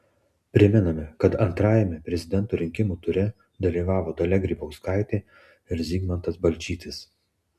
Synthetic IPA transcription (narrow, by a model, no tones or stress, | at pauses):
pʲɾʲɪmʲɛnɐmʲɛkɐt̪ɐnt̪ɾɑːjɛmʲɛpʲɾʲɛzʲɪd̪ʲɛnˑt̪uːɾʲɪŋʲkʲɪmuːt̪ʊɾʲɪ | d̪ɐlʲiːʋɑːʋoːd̪ɐlʲɛɡɾʲiːbɐʊskɑˑɪt̪ʲeː | ɪɾzʲiːɡmɐnt̪ɐsbɐlʲt͡ʃʲiːt̪ʲɪs